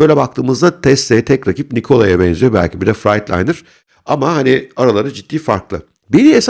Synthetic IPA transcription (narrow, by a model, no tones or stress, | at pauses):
øjlʲɛbak̚t̪ʰɯːmɯzd̪at̪ʰɛst̪ɛjt̪ʰɛcɾacip̚nikʰo̞lˠajabɛnzyjobæ̰lʲcʰibid̪ɛfɾajt̪lʲˠa̰jnd̪ɯɾ̥ | amahaniaɾalˠaɾad͡ʒit̪ːiːfa̰ɾklˠɯ | bid̪ies